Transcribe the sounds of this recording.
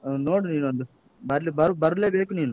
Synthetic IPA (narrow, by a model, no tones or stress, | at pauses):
noːɽuniːnɐnd̪u | bɐɾlibɐɾubɐɾuleːʋeːkuniːnu